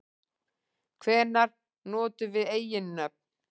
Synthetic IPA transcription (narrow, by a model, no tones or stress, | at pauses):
kʰvɛːnaɾ̥ | nɔːt̪ʏvɪðeːjɪnːœp̚n̥